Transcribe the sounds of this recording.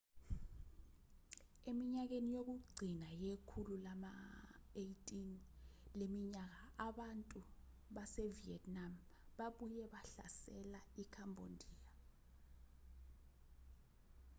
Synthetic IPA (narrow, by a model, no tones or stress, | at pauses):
emiɲak̬enijok̬uɡ͡ǀʱinajekʰululamaejtʼinlemiɲak̬aaɓantʼu | ɓasɛviɛtʼnamɓaɓujɛɓaɬa̰sɛlaikʰambʱondʱiːja